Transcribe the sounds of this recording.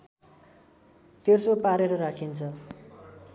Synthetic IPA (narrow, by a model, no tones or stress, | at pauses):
t̪ersopaɾeɾʌɾakʰint͡sʰʌ